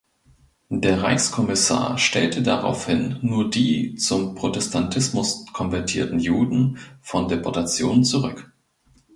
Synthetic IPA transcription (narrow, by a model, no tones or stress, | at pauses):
deːɐʁa̰ɪçskʰɔmɪsa̰ːɐʃtɛ̰ltədaʁa̰ʊfhɪnːuːɐdiːt͡sʊmpʁ̥otʰɛstʰantʰɪsmʊskʰɔnvɛɐtʰiːɐtn̩juːdn̩fɔndepʰɔɐtat͡sjo̰ːnət͡suʁʏk